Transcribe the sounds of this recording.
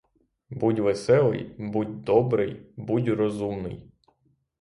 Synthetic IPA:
butʲʋesɛlˠɪ̰jbutʲd̪ɔbɾɪjbutʲrɔzumnɪ̰j

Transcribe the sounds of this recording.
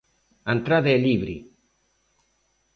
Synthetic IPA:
ant̪ɾaðeːliβɾḭ

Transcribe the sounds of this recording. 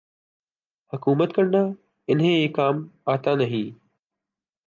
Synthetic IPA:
həkuːmət̪kəɳnaː | ɪnɦẽːeːkːaːmaːt̪aːnəɦĩː

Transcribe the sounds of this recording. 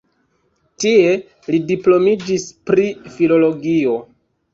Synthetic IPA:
tie̞ | lidiplo̞mid͡ʒispɾifilo̞lo̞ɡio̞

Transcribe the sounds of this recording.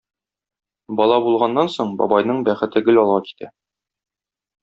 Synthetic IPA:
bɒlˠɑbulˠʁɑnːɑnsoɴbɒ̰bɑjnɤɴbæχɘ̆t̪ɘɡɘ̆lɒlˠʁɑki̥t̪ʰæ

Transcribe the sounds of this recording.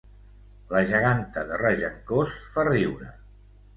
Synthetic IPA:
ləʒəɣ̞ant̪əðəraʒəŋkosfariwɾə

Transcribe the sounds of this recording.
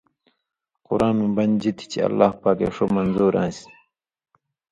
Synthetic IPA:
qʊɾaːnmũbɐnd͡ʑit̪ʰi̥t͡ɕʰiɐ̰lːaːhpaːkḛʂomɐnzuːɾʔã̰ːsi̥

